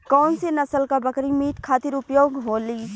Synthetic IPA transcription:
kɔːnsenɐsəlkabəkɾimiːʈkʰaːt̪iɾʊpjoːɡɦoːli

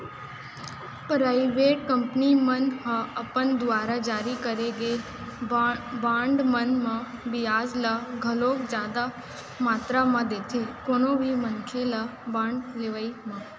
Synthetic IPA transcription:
pɾaiʋeʈ̚kəmpnimənmãəpənd̪ʋaːɾad͡ʒaːɾikəɾeɡe | bãɳɖmənmãbiaːzlaɡʱəlokd͡ʒjaːd̪a | maːt̪ɾamãd̪ekʰekonobʱimənkʰelabãːɳɖleʋəimã

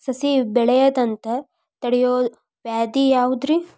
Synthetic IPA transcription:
sɐsibɛɭɐjɐd̪ɐnt̪ɐ | t̪ɐɽijoː | ʋjaːd̪ijaːʋud̪ɾi

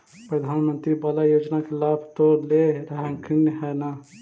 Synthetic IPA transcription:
pɾəd̪ʱanmənt̪ɾibalajod͡ʒnakelabʱt̪oɾleɾəɦɛŋkʰinəɦɛna

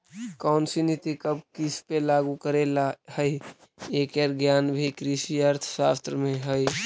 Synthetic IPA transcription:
kaʊnsinit̪ikəb̚kispelaːɡukəɾelahəi | ekeɾɡjaːnbʱikɾiʃiəɾt̪ʰsaːst̪ɾəmẽɦəj

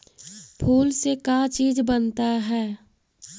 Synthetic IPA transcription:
pʰuːlsekat͡ʃiːd͡ʒbənt̪aɦɛː

